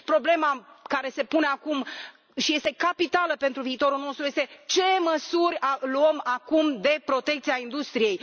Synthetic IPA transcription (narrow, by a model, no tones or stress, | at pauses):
pɾo̞ble̞makaɾe̞se̞pune̞akum | ʃije̞st̪e̞kapit̪aləpe̞nt̪ɾuviːt̪o̞ɾulno̞st̪ɾujest̪e̞t͡ʃe̞məsuɾʲaluəmakumd̪e̞pɾo̞t̪e̞k̚t̪siaind̪ust̪ɾije̞j